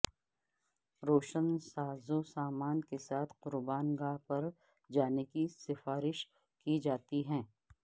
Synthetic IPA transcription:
ɾoːʃənsaːzõsaːmaːnkesaːt̪ʰqʊɾbaːnɡaːpɐɾ | d͡ʒaːnekisɪfaːɾɪʃ | kid͡ʒaːt̪iɦɛ̃ː

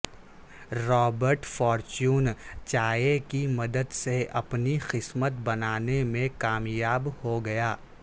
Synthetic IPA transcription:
ɾɔːbəɾʈfɔːɾt͡ʃuːnt͡ʃaːjekimɐd̪əd̪seɐpnixɪsmət̪bɐnaːnemẽkaːmjaːbhoɡɐjaː

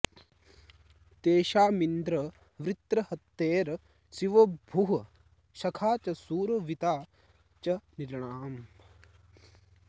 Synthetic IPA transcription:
t̪eːʃaːmind̪ɾɐ | ʋɾit̪ɾɐhɐt̪ːeːɾ | siʋɐbʱuɦɐ | ʃɐkʰaːt͡ʃɐsuːɾʋit̪aː | t͡ʃɐniɾɳaːm

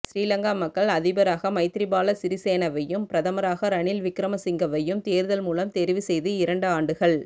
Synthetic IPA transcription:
ʃɾiːlɐŋɡaːmɐkːɐɭɐðɪbɐɾaːɣɐmɐɪt̪ɪɾɪbaːlɐsɪɾɪseːnɐʋɐjːɯmpɪɾɐðɐmɐɾaːɣɐɾɐɳɪlʋɪkːɪɾɐmɐsɪŋɡɐʋɐjːɯmt̪eːɾðɐlmuːlɐmt̪ɛɾɪʋisɛjðɯɪɾɐɳɖɯaːɳɖɯɣɐɭ

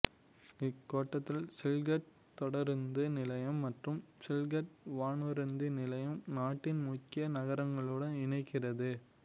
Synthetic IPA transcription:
ɪkːoːʈːɐt̪ːɪlsɪlɡɐʈ̚ | t̪ɔɽɐɾnd̪ɯnɪlɐjɐmːɐʈrɯmsɪlɡɐʈʋaːɳɯɾɐnd̪ɯnɪlɐjɐmnaːʈːɪnmʊkːɪjɐnɐɣɐɾɐŋɡɐɭɯɽɐnɪɳɐɪkːɪrɐðɯ

